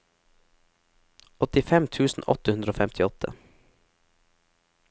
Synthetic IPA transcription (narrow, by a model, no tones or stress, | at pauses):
ɔt̪ɪfɛmt̪ʰʉːsn̩ʔɔ̰t̪əhʉnd̪ɾəoːfɛmt̪ʰɪɔt̪ʰə̰